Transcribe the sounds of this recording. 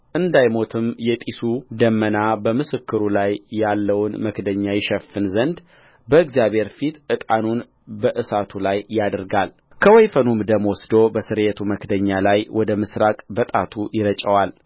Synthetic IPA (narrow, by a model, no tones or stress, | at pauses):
ʔɨnd̪ajmo̞t̪ʰɨmjɛt̪ʼisud̪əmːənabəmɨsɨkːɨɾulajːalːəwnməkd̪əɲːajɪʃɛfːɨnzənd̪ | bəɨɡzjaβʱhe̞ɾfit̪ʔɨt̪ʼanun | bəʔɨsat̪ʰulajːad̪əɾɡal | kʰəwɔjfənumɨd̪əmwɔsd̪obəsɨɾet̪ʰuməkd̪əɲːalajwʔɔd̪əmɨsɾakʼbət̪ʼat̪ʰujɪɾət͡ʃʼəwal